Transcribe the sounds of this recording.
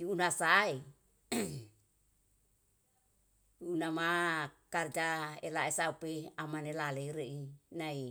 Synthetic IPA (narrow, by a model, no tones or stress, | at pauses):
uunasae | unamakard͡ʒaelaesaupeamanelaleɾeʔinai